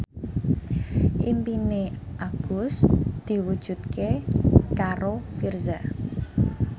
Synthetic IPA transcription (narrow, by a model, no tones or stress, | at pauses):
ʔimpineʔaɡ̥usd̪̥i̤wud̥ʒ̥ṳt̪kekaɾofirza